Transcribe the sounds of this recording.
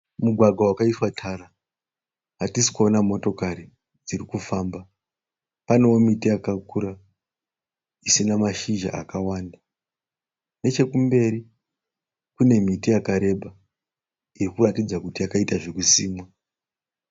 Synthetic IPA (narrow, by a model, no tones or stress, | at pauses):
muɡʱwaɡʱwawakaiswatʰara | ɦatisi̥ko̞namo̞to̞kaɾi | d͡ziɾikufaːmba | pane̞wo̞mitijakakuːɾa | isinamaʃiʒa̰ʔa̰kawaːnda | ne̞t͡ʃe̞kumbe̞ɾi | kune̞mitijakaɾe̞bʱa | irikuratid͡zakutijakaitaʐekusiːmwa